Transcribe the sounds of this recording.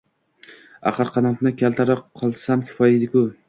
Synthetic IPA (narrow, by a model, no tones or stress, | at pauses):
a̰χɨɾqʰɑnafnɪkʲʰalt̪ʰaɾɪp̚qʰːɒlˠsamkʲʰɪ̥fɒjed̪ɪkʊ